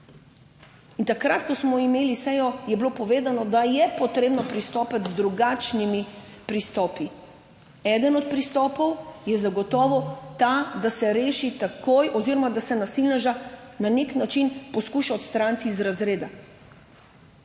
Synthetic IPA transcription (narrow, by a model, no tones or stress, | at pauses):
int̪akɾat̪kɔsmɔimeːlisɛjɔjɛblopɔʋeːd̪anɔd̪ajɛpɔt̪ɾeːbnɔpɾist̪ɔːpat̪zd̪ɾuɡat͡ʃnimi | pɾist̪ɔːpi | ɛd̪ənɔt̪̚pɾist̪ɔːpɔwjɛzaɡɔt̪ɔːʋɔt̪ad̪asɛɾeːʃit̪akojʔɔziɾɔmad̪asɛnasilnɛʒananeknat͡ʃinpɔskuʃaɔt̪st̪ɾant̪iːzɾazɾeːd̪a